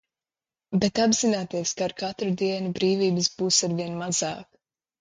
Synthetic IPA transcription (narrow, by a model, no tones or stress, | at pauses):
bet̪abzinaːt̪iɛskaːɾkat̪ɾud̪iɛnubɾiːviːbɨs̬b̥uːsaɾviɛnmazaːk